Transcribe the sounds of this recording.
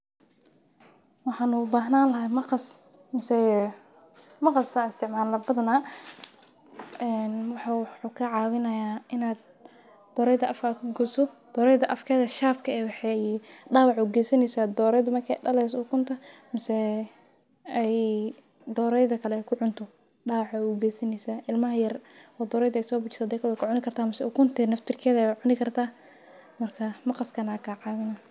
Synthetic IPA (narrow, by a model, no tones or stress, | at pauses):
wɑħɑːnubaːɦnaːnlɐɦɐmɐqs | mɐsɛ | mɐqɑsaːɪst̪ʰɪʕmaːlːɐbɐðɐnaː | ɛːnwɑħaħukʰɐʕɑːwɪnɐjaːʔɪnaːd̪ | d̪ɔːɾɛjðɐʔɐfkʰaːkʰʊɡʊsɔd̪̥ɔːɾɛjðɐʔɐfkʰɛːðɐʃaːfkʰɐɛːwɑħɛijɖaːwɑʕuːɡɛːsɐnɛjsaːd̪ɔːɾɛjðɐmɐkʰɛ̰ɖɐlɛsuːkʰʊnt̪ʰɐmɐsɛ | ɛj | d̪ɔːɾɛjðɐkʰɐlɛɛjkʰʊʕʊnt̪ʰɔ | ɖɑːwɑʕauːɡɛːsɐnɛsaːʔɪlmɐɦɐjɐrɔːd̪ɔːɾɛjdɐɛjsɔːbʊt͡ʃɪ̥saːd̪ɛːkʰɐwɛkʰʊʕʊnɪkʰɐrt̪ʰaːmɐsɛuːkʰʊnt̪ʰɛnɐft̪ʰɪrkʰɛːðɐʕʊnɪkʰɐrt̪ʰaː | mɐrkʰɐmɐqɑskʰɐnakʰaːʕɑːwɪnɐ